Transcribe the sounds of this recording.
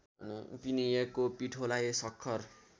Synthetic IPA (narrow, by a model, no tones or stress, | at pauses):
npinijekopiʈʰolajesʌkʰːʌr